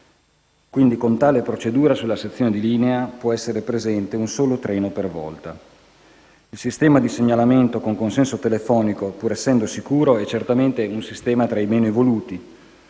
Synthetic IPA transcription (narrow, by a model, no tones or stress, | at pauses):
kwind̪ikont̪aːlepɾot͡ʃed̪uːɾasulːaset̪sːjoːned̪iliːneapwɔɛsːeɾepɾezɛnt̪eunsoːlot̪ɾɛːnopervɔ̰lt̪a | ilsist̪ɛːmad̪iseɲːalament̪okoŋkonsɛnsot̪elefɔːnikopuːɾɛsːɛnd̪osikuːɾoɛt͡ʃert̪ament̪eunsist̪ɛːmat̪ɾajmeːnoevoluːt̪i